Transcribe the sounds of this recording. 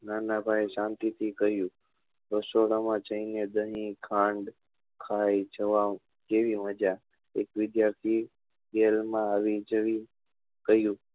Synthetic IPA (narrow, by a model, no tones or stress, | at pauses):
naːnãːbʱaːeʃãːnt̪it̪ʰikəɦjũː | ɾəsoɽamãt͡ʃəined̪əɦĩkʰãːɳɖ | kʰaːit͡ʃʰəʋa | keːʋiʋəd͡ʒa | eːkʋɪd̪jaːɾt̪ʰiː | ɡelmãaʋid͡ʒəʋi | kəɦjũː